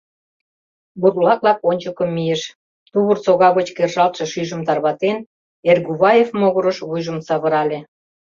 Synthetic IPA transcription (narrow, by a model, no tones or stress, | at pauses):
burloɑklɑkonʲt͡ɕəkə̆mːijeʃ | t̪uβərt͡soɣɑɣot͡ɕkerʒɑlt̪ʃĕʃyʒə̆mt̪ɑrβɑt̪en | erɣuβɑjefmoɣoɾə̆ʃβujʒə̆msɑβə̆ɾɑlʲe